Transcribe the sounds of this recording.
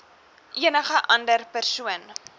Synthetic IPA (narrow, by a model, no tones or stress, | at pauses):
ʔiənəχəʔɐndərpərsuən